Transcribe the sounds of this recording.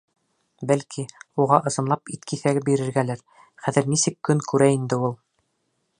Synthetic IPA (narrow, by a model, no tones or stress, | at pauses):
bælkʰiuʁɑʔɤ̆sɤ̆nlˠɑpit̪kʰiθæɡɘbiɾɘ̆ɾɡælæɾ | χæðɘ̆ɾnisɘkːɵŋkʉɾæind̪ɘulˠ